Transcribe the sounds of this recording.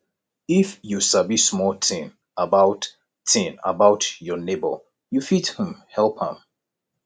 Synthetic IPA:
ifjusabismɔltʰĩn | əbaʊt | tʰĩnə̰baʊtjɔnebə̰l | jufithə̃mhɛlˠphə̰̃m

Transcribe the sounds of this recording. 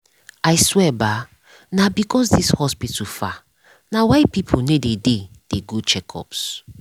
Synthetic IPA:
ajswɛba | nabikʰɔsdishɔspitʰufa | nawajpipʰunededed̥eɡut͡ʃɛkʰɔ̰ps

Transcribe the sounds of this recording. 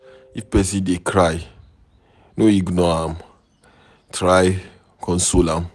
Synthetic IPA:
ifpɛs̬idekʰɾaj | noiɡnɔam̩ | tʰɾaj | kʰɔ̃n̩solam̩

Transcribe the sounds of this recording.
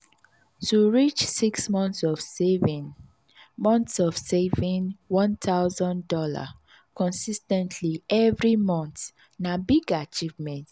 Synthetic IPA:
tuɹit͡ʃsiksmɔ̃ntsɔv | mɔ̃nt̪sɔv̥sevĩŋwɔ̃nt̪ʰaʊzɔ̃ndɔla̰ | kʰɔ̃nsistɛ̃ntʰliɛvɹimɔ̃nt̪ | nabiɡat͡ʃivmɛ̃nt

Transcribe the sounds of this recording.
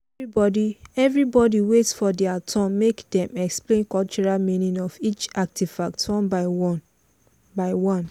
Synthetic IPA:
ibɔdiɛvɹibɔdiwetsfɔdɛatʰɔ̃nmekdɛ̃mɛksplẽnkɔlt͡ʃɔɹalmĩnĩnɔfit͡ʃak̚tiv̥fak̚tɔ̃nba | baɪwɔ̃n

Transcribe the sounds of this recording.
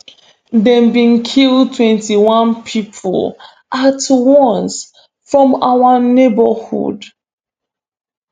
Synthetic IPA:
dɛ̃mbĩnkʰildtʰwɛ̃ntiwãnpʰipʰl | ʔatwɔ̃ns | fɹɔ̃mawanebəhṵd

